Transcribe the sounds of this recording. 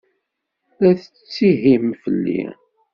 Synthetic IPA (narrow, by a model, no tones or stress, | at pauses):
læθə | t͡sːiɦimfəlːḭ